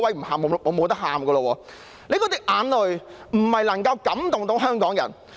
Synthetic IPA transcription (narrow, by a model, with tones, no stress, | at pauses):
wɐ˨˥m̩˨˩haː˨˩mː˨˧ɔː˨˧mo˨˧wt̪ɐ˥haː˨˩mɡəː˧lɔː˧wɔː˧ | le˨˧kɔː˧˥t̪ɪ˥k̚ʔaː˨˧nlɵ˨˩ɥ | m̩˨˩hɐ˨jlɐ˨˩ŋkɐ˧wkɐ˨˥mt̪ʊ˨ŋt̪o˨˥wɦœː˥ŋkɔː˨˥ŋjɐ̰˨˩n